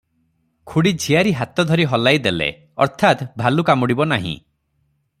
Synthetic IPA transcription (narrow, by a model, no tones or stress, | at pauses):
kʰuɽid͡ʒʱiaɾiɦat̪ɔd̪ʱɔɾiɦɔlajd̪elḛ | ɔ̰ɾt̪ʰat̪bʱalukamɔɽibɔnaɦḭ̃